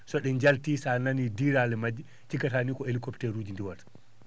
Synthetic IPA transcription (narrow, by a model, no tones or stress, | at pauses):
sɔɗɛɲd͡ʒaltiːsananidiːɾalɛmad͡ʒi | t͡ʃikatanikɔelikɔpteɾuːd͡ʒindiwatḁ